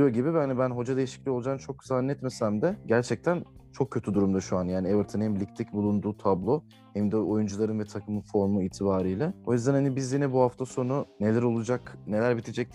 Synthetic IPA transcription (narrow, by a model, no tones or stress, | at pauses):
ijoɟibibanibænɦo̞d͡ʒad̪e̞jiʃi̥clʲioud͡ʒaːmt͡ʃʰo̞k̚zanːɛɛt̪mesæmd̪ɛɟæɾt͡ʃʰɛc̚t̪ʰænt͡ʃʰo̞kʰːøt̪ʰyd̪uɾumd̪aʃuanjaːnievɯɾt̪ʰɯnhɛmlʲict̪ʰɛcbulˠund̪uːt̪ʰablˠo̞ | hɛmd̪ɛo̞jund͡ʒulˠaɾɯnvɛt̪ʰakʰɯmɯnfo̞ɾmuiːt̪ʰibaːɾɯjlʲɛo̞jyzd̪ænhanibizjinɛbuhaft̪ʰaso̞nune̞lʲæɾo̞lˠud͡ʒakne̞lʲæɾbit̪ʰid͡ʒɛc̚t̪